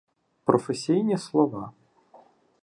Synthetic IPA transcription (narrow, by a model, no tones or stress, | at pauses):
pɾʔɔfɛsʲijnʲislˠɔva